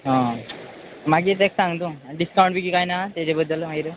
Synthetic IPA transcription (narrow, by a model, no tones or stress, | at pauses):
ɦɔ̃ | maɡiːt̪eksãŋɡt̪ũɖiskaw̃ɳʈbikiːkajnat̪ed͡ʑebəd̪ːəlmaiɾə